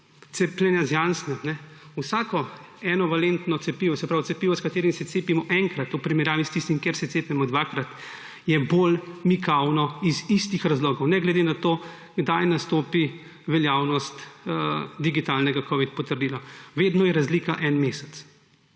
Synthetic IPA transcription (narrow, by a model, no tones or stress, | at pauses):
t̪seplʲɛnjazjansnɛmnɛ | usaːkɔ | ɛːnɔʋalent̪nɔt̪sɛpiːʋɔsɛpɾawt̪sɛpiːʋɔskat̪eːɾimsɛseːpimɔʔɛŋkɾat̪upɾimɛɾjaːʋist̪ist̪imkjeɾsɛt̪seːpnɛmɔd̪ʋaːkɾat̪ | jɛbolmikawnɔizist̪ixɾazloːɡɔwnɛɡlɛd̪enat̪oː | ɡd̪ajnast̪oːpi | ʋɛljaːwnɔst̪ | d̪iɡit̪alnɛɡakɔʋit̪pɔt̪əɾd̪iːlɔʋeːd̪nɔjɛɾazliːkaʔɛnmeːsɛt̪s